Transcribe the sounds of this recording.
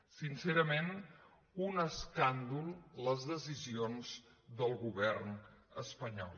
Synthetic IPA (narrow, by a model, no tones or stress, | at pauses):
sinsɛɾəmen | unəskand̪ulˠləzðəzizionz | ðəlˠɣuβɛrnəspəɲɔ̰lˠ